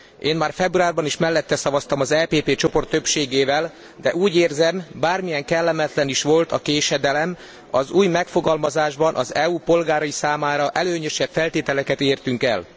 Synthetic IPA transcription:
ʔeːmmaːrfɛbruaːrbɒniʃmɛlːɛt̪ːɛsɒvɒst̪ɒmɒzɛːpeːpeːt͡ʃo̞po̞rt̪ːø̞pʃeːɡeːvɛl | d̪ɛʔuːɟeːrzɛmbaːrmijɛŋkɛlːɛmɛt̪lɛniʃʋo̞lt̪ʰɒkeːʃɛd̪ɛlɛm | ɒzuːjmɛkfo̞ɡɒlmɒzaːʒbɒnʔɒzɛupo̞lɡaːɾɒjisaːmaːɾɒʔɛløːɲø̞ʃɛpfɛlt̪eːt̪ɛlɛkɛt̪eːrt̪yŋkɛ̰l

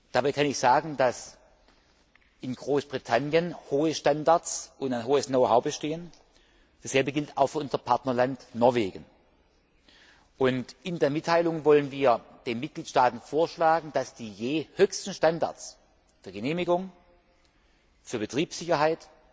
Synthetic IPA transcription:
d̥abaɪkʰanɪçz̥aːɡŋ̩das | ʔɪnɡʁoːsb̥ʁitʰanjənhoːəʃtandaɐsʔʊntaɪnɦoːəsnoʊɦaʊbəʃteːən | d̥asz̥ɛlbəɡɪltaʊxfyːɐʔʊnzɐpʰaɐtnɐlantnɔɐveːɡən | ʔʊntʔɪndeːɐmɪtʰːaɪlʊŋvɔlənviːɐd̥eːnmɪt̚ɡ̥liːtʃtaːtn̩foːɐʃlaːɡŋ̩d̥asd̥iːjeːhøçstn̩ʃtanda̰ɐs | d̥eːɐɡəneːmɪɡʊŋ | fyːɐbətʁ̥iːpsz̥ɪçɐɦaɪt

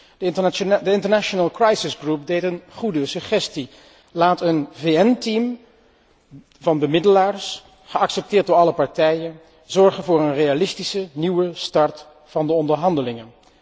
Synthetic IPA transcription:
dəɪntəɹnaʃonaːlˠkrɑjsɪsɡrup̚dejtənχudəsəχɛsti | laːtənveɛntim | vɑnbəmɪdəlaːɹs | χəɑksɛp̚tɪːɹt̚dʊːɹɑləpɑɹtɛjən | z̥ɔɹχənvʊːɹənrejalɪstisəniwəstɑɹt | fɑndəɔndəɹɦɑndəlɪŋən

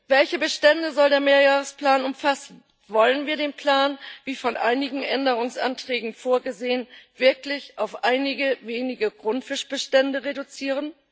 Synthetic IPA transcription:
vɛlçəbəʃtɛndəzɔldeːɐmeːɐjaːʁ̞əspl̥aːnʊmfasn̩ | vɔlənviːɐdeːnpl̥aːnviːfɔnʔaɪnɪɡŋ̩ʔɛndəʁ̞ʊŋsʔa̰ntʁ̥ɛːɡŋ̩foːɐɡəzeːənv̥ɪɐklɪçʔaʊfʔaɪnɪɡəveːnɪɡəɡʁʊntfɪʃb̥əʃtɛndəʁedut͡siːʁ̞ən

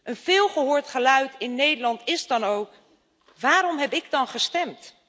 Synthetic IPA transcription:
ʔənv̥ɪːlˠχəɦʊːɹtχəlœɥtɪnːejdəlɑntɪzdɑnowk | ʋaːɾɔmɦɛpɪɡdɑnχəstɛmt

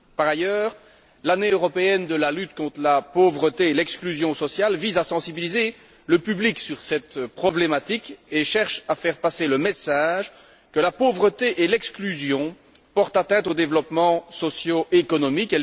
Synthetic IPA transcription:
paʁajœːʁ | laneøʁɔpeɛnd̪əlalyt̪kɔ̃t̪χlapovʁət̪eelɛksklyzjɔ̃sɔsjalvizasɑ̃sibilize | ləpybliksyʁsɛt̪pχɔblemat̪ikeʃɛʁʃafɛʁpaseləmesaʒ | kəlapovʁət̪eʔelɛksklyzjɔ̃ | pɔʁt̪at̪ɛ̃t̪od̪evlɔpmɑ̃sɔsjoʔekɔnɔmikɛl

